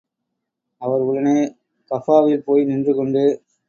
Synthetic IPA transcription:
ɐʋɐɾʊɭɐneː | kɐfaːʋɪlpoːjnɪndrɯkɔɳɖɯ

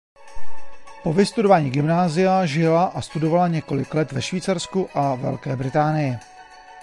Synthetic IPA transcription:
po̞vɪst̪udo̞vaːɲiːɡɪmnaːzɪjaʒɪlaʔast̪udo̞valaɲɛko̞lɪ̰klɛt̪vɛʃviːt͡saɾskuʔavɛ̰lkɛːbɾɪt̪aːnɪjɪ

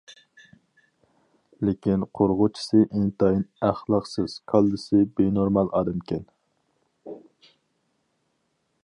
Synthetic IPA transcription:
lɪkʲinqʰoɾʁʊt͡ʃʰi̥sɨʔent̪ʰɑjinæχlˠɑqsɨz̥kʰɑlˠd̪ɨsɨbenoɾmɑlˠɑɾɨmkʲʰɛn

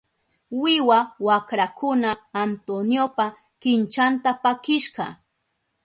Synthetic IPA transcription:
wɪwawakɾakʊnaːnt̪onjopa | kɪnt͡ʃant̪apakɪʃɢɑ̰

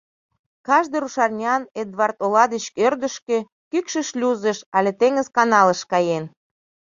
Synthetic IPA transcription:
kɑʒd̪eɾuʃɑrnʲɑned̪βɑrt̪olɑd̪ət͡ɕkørd̪əʃkĕ | kykʃə̆ʃlʲuzəʃɑlʲet̪eŋəzkɑnɑləʃkɑjen

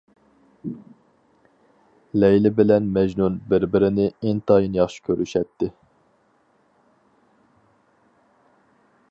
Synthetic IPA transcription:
lɛjlɪbɪlɛnmɛʒnunbɪɾbɪɾɪnɪɪnt̪ʰɑjinjɑχʃi̥kʲʰøɾʔyʃɛt̪ʰːɪ

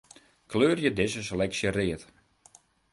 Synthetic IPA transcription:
kløːrjədɪsəs̬əlɛksjərɪət

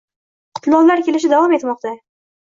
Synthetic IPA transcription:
qʰʊ̥t̪ʰlˠɒllaɾkʲe̞lɪʃ̬ɪd̪avɒme̞t̪mɒqt̪a

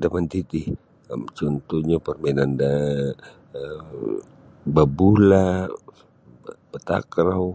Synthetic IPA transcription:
damant̪it̪i | a̰mt͡ʃɔnt̪uɲapərmɛnanda | babula | bat̪a̰kɾaw

